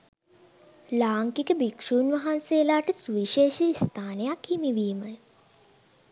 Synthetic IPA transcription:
laːŋkikəbikʂuːnʋaɦansejəlaːʈəsuʋiʃeːʃiist̪ʰaːnejakhimiʋiːmə

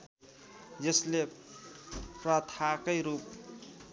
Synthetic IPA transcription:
d͡zʌsle | prʌt̪ʰakʌjɾup̚

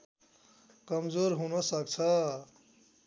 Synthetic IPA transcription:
kʌmd͡zoɾɦunʌsʌk̚t͡sʰʌ

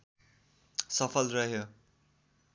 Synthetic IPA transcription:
sʌpʰʌlrʌɦjo

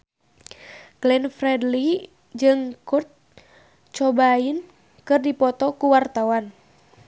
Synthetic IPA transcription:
ɡ̥lɛnfrɛdli | d͡ʒɨŋkut̪̚ | t͡ʃɔbain | kɨrdipɔt̪ɔkuwart̪awan

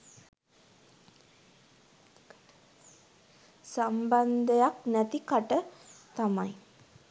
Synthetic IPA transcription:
samband̪əjaknæt̪ikaʈət̪amaj

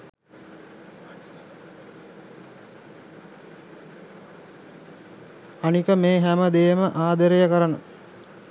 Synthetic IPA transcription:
anikəmeːɦæməd̪eːməʔaːd̪əɾejəkəɾənə̰

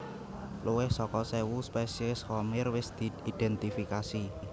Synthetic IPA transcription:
luwɪhsɔkɔsɛwuspɛsiɪskɔmɪrwɪsd̪̥i̤id̪̥ɛnt̪ifikasi

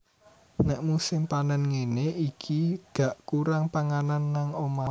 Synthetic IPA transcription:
nɛʔmusɪmpanənŋeneʔikʰiɡ̥a̤ʔkuɾaŋpaŋananːaŋoma

